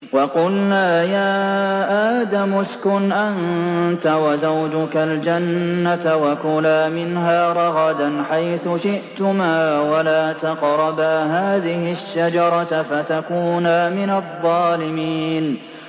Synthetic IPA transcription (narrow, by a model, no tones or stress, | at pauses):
wɑqʊlnaːjaːʔaːd̪amʊskʊnʔant̪awazawd͡ʒʊkald͡ʒanːat̪awakʊlaːmɪnɦaːɾˤɑɣɑd̪anħajθʊʃɪʔt̪ʊmaːwalaːt̪ɑqɾˤɑbaːɦaːðɪhɪʃːad͡ʒɑɾˤɑfat̪akuːnaːmɪnaðˤːɑːlɪmiːn